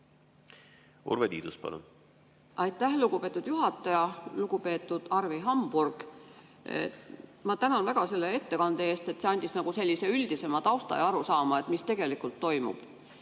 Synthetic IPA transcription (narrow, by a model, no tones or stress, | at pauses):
ṵɾvet̪iːd̪uspɑ̰lṵn | ʔɑjt̪ˑːæhluɡ̥upe̞ːt̪ːˑud̪̥juɦɑt̪ːˑɑjɑluɡ̥upe̞ːt̪ːˑud̪̥ɑrviɦɑmb̥urɡ̥̰ | mɑt̪ænɑnvæɡ̥ɑse̞lːe̞e̞t̪ːe̞kɑnd̪̥ee̞ːst̪e̞t̪ːse̞ɑnʲd̪isnɑɡ̥use̞lʲːise̞yld̪̥ise̞mɑt̪ɑwst̪ɑ̰jɑɑɾusɑːmɑet̪mist̪e̞ɡ̥e̞likult̪ːo̞jmṵb̥